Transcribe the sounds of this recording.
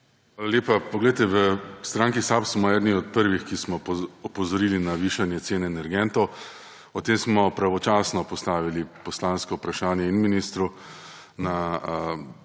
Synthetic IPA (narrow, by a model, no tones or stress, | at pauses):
ʋaːlaleːpapɔɡlejt̪ɛʋəst̪ɾaŋkisapsmɔɛːd̪niɔt̪̚pəɾʋixkismɔɔpɔzɔɾiːlinaʋiːʃanjɛt̪seːnɛːnɛɾɡɛnt̪ɔw | ɔt̪eːmsmɔpɾaʋɔt͡ʃaːsnɔpɔst̪aːʋilipɔslaːnskɔwpɾaʃaːnjɛinminist̪ɾu | naə